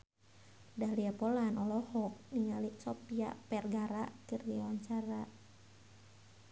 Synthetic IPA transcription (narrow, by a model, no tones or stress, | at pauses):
dahliapɔlanɔlɔhɔk̚niŋaliʔsɔpia̰pɛrɡaɾa̰kərɡiawaɲt͡ʃaɾa